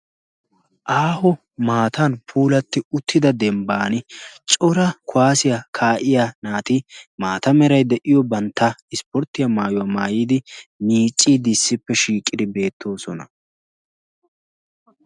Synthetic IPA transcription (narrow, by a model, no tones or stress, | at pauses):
ʔaːhɔ | maːt̪ɐnpʰuːlɐt̪ːɪʊt̪ʰːɪd̪ɐd̪ɛmbaːnɪt͡ʃʼɔɾɐkʰʊwaːsɪjakʰaːʔɪjanaːt̪ɪmaːt̪ɐmɛɾɐjd̪ɛʔɪjɔbɐnt̪ːɐɪspɔɾt̪ːɪjɐmaːjʊwamaːjiːd̪ɪmiːt͡ʃʼːiːd̪ɪsːɪpːɛʃiːkʼːɪd̪ɪbe̞ːt̪ːo̞ːsɔnɐ̰